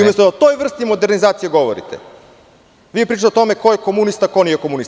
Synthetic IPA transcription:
umjest̪od̪aot̪o̞jʋr̩st̪imo̞d̪eɾnizaːt̪sijeɡo̞ʋo̰ɾḭt̪ḛ | ʋiːjepɾiːt͡ʃat̪eot̪o̞me̞ko̞jekomunist̪ako̞nijekomunis

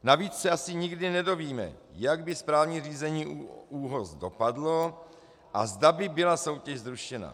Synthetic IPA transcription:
naviːt͡ssɛʔasɪɲɪɡdɪnɛdo̞viːmɛ̰jaɡbɪspɾaːvɲiːr̝iːzɛɲiːuːɦozdo̞padlo̞ | ʔa̰zdabɪbɪlaso̞wcɛʃzɾuʃɛna̰

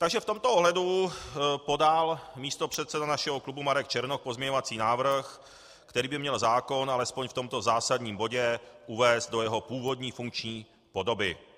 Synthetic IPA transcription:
t̪aɡʒɛft̪o̞mt̪ooɦlɛdu | po̞dalmiːst̪opr̝̥ɛt̪sɛdanaʃɛɦoklubumaɾɛk̚t͡ʃɛɾnok̚pozmɲɛɲo̞vat͡siːnaːvɾ̩x | kt̪ɛɾiːbɪmɲɛlzaːko̞nalɛspo̞ɲft̪o̞mt̪o̞zaːsadɲiːmbo̞ɟɛʔuvɛːst̪̚do̞jɛɦopuːvo̞dɲiːfuŋkt͡ʃɲiː | po̞do̞bɪ

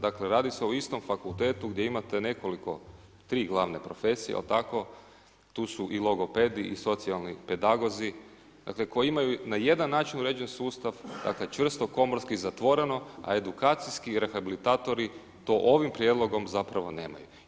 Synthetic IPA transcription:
d̪akle̞ɾaːd̪ise̞oist̪o̞mfakulˠt̪eːt̪uɡd̪je̞imat̪e̞ne̞ko̞liko̞ | t̪ɾiːɡlˠaːʋnepɾo̞fe̞ːsijḛlt̪ako̞ | t̪uːsuʔilˠo̞ɡo̞ped̪iʔːso̞t̪sialˠnipe̞d̪aɡo̞zi | d̪̥a̰kle̞ko̞jiimajunaje̞d̪anːaːt͡ʃinuɾeːd͡ʑensuːst̪aʋd̪a̰kle̞t͡ʃʋr̩st̪o̞ko̞moɾskizat̪ʋo̞ɾe̞no̞a̰e̞d̪ukaːt̪sijskiɾe̞xabilit̪aːt̪o̞ɾi | t̪o̞ʔo̞ʋimpɾje̞d̪lˠo̞ɡo̞mzapɾaʋo̞ne̞̰ːma̰ju

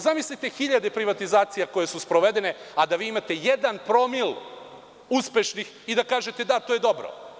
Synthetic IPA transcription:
zamislʲit̪exiʎad̪e̞pɾiʋat̪izaːt̪sijako̞je̞suspɾo̞ʋe̞d̪e̞ne̞ad̪aʋiːimat̪e̞jed̪anpɾo̞mil | uspe̞ʃnix | id̪akaːʒe̞t̪e̞d̪at̪oje̞d̪o̞bɾo̰

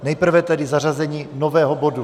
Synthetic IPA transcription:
nɛjpr̩vɛt̪ɛdɪzar̝azɛɲiːnovɛːɦobo̞du

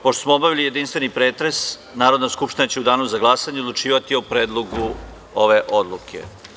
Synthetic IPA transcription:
poʃt̪osmoobaʋilijed̪inst̪ʋe̞nipɾeːt̪ɾe̞s | naːɾo̞d̪naskupʃt̪inat͡ɕeud̪aːnuzaɡlˠasaɲeod̪lˠut͡ʂiːʋat̪iopɾeːd̪lˠoɡu | oʋeʔo̞d̪lˠukʰḛ

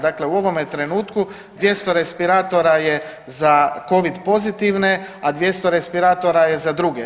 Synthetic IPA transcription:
d̪aːkle̞uo̞ʋo̞met̪ɾe̞nuːt̪ku | d̪ʋje̞st̪o̞ɾe̞spiɾaːt̪o̞ɾaje̞ | zako̞ʋid̪po̞zit̪iʋne̞ad̪ʋje̞st̪o̞ɾe̞spiɾaːt̪o̞ɾaje̞zad̪ɾuɡe

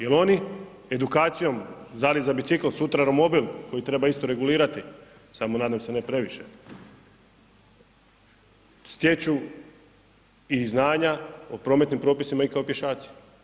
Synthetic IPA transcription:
jelo̞ni | e̞d̪ukaːt̪sijo̞mzalizabit̪siklsut̪ɾaɾomo̞bilko̞jit̪ɾe̞baist̪oɾe̞ɡuliːɾat̪i | samo̞naːd̪amse̞nepɾe̞ʋiʃe̞ | st̪jet͡ɕu | iznaːɲaopɾo̞ːmet̪nimpɾo̞ːpisimaikaopje̞ʃaːt̪si̥

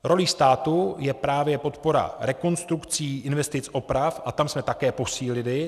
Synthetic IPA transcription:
ɾo̞liːst̪aːt̪ujɛpɾaːvjɛpo̞t̪po̞ɾa̰ɾɛko̞nst̪ɾukt͡siːʔɪnvɛst̪ɪt͡sʔo̞pɾafʔat̪amsmɛt̪akɛːpo̞siːlɪlɪ

